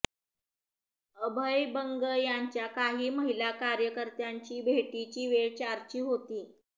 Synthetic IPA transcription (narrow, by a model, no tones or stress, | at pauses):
əbʱəjbəŋɡəjaɲt͡ɕjakaɦiːməɦilakaɾjəkəɾt̪jaɲt͡ɕiːbʱeʈit͡ɕiːʋeɭt͡ɕaɾt͡ɕiːɦot̪iː